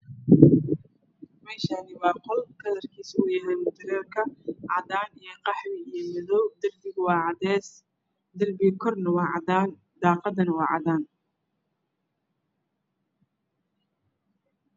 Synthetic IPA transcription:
mɛːʃaːnɪwɑːqɔlkʰɐðɐrkʰiːsʊjɐɦɛjmʊt̪ɐɾɛːrkʰɐʕɑðaːnijɞqɑħmɪijɞmɐðɔwd̪ɐrbɪɣwɑːʕɑd̪ɛːs | d̪ɐrbɪkʰɔrnɐwɑːʕɑ̰daːn | d̪̥ɑːqɑðɐnɐwɑ̰ːʕɑ̰ðaːn

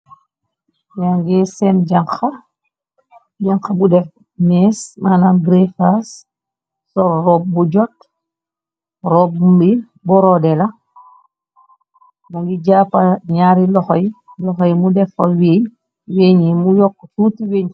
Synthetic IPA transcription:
jaŋɡɛsɛmɟaŋxɐ | d͡ʒaŋxɐbudɛf | mɛːsmanamɡɾefas | sɔlrɔːp̚buɟɔt | rɔb̚bi | bɔɾɔdɛlɐ | muŋɡiɟaːpaɲaːɾilɔxɔjlɔxɔjmudɛfɐweː | weːɲimujɔkːsutiweɲ

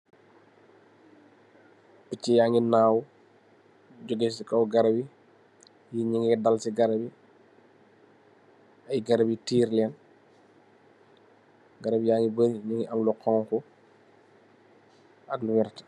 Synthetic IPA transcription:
picːijaːŋinaːw | ɟɔɡɛsikɐwɡɐɾɐbi | jiɲiŋidɐlsiɡɐɾɐbi | ɐjɡɐɾɐbitiːɾlɛn | ɡɐɾɐbijaːŋɡibəɾiɲiŋɡiʔɐmlɔqɔːŋkɔ | ɐkluwɛɾt

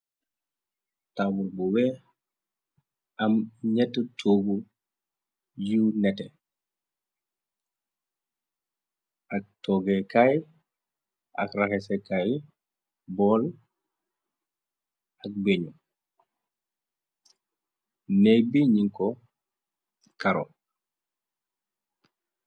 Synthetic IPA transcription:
tawulbuwɛ | amɲɛtːutʰoɡu | junɛtɛ | ʔak̚tʰɔɡekaj | ʔakɾakɛsɛkaj | bɔːl | ak̚beɲu | nɛjbiɲiŋkɔ | kaɾɔ̰

